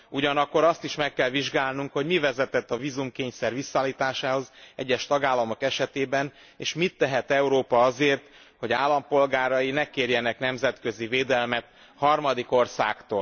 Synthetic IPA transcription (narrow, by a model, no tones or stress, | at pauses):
uɟɒnɒkːo̞ɾɒst̪iʃmɛkːɛlviʒɡaːlnuŋkho̞ɟmivɛzɛt̪ɛt̪ːɒviːzumkeːɲsɛrʋisːɒaːlːiːt̪aːʃaːho̞zɛ̰ɟːɛʃt̪ɒɡaːlːɒmo̞kɛʃɛt̪eːbɛn | eːʃmit̪ːɛɦɛt̪ɛuɾoːpɒɒzeːrt̪ | ho̞ɟaːlːɒmpo̞lɡaːɾɒjinɛkːeːrjɛnɛknɛmzɛt̪kø̞ziveːd̪ɛlmɛt̪ | hɒrmɒd̪iko̞rsa̰ːkt̪o̰ːl